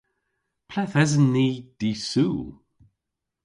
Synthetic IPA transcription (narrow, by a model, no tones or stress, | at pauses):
pʰlɛθɛzənːiːd̪̥isuː